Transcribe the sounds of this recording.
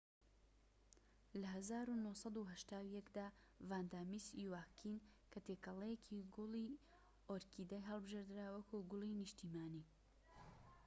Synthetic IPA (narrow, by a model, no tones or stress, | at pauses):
lɐɦɐzaːɾunohsɑd̪uɦɐʃt̪aːwjɛkd̪aː | vaːnd̪aːmisiwaːkʰinkʰɐt̪ekɐlˠejekʰiɡʊlˠiː | oɾkiːd̪ajɦɐlˠbɨʒeɾd̪ɨɾawɐkʰuɡʊlˠinɨʃt̪iːmaːniː